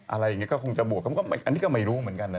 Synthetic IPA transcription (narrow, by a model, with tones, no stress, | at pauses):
ʔa˧ɾa˧jːa˨˩ŋi˦˥kɔː˥˩kʰo˧ŋt͡ɕa˨˩bu˨˩ək̚ːa˧˥˦kɔ˥˩m˧˩ʔa˧nːiː˦˥kɔː˥˩ma˥˩jɾuː˦˥mɯ˩˦ənka˧na˧